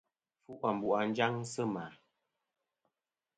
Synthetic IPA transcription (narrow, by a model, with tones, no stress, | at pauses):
fu˦ʔa˨m̩˨bu˨ʔa˨n˦d͡ʒa˦ŋsə˦ma˨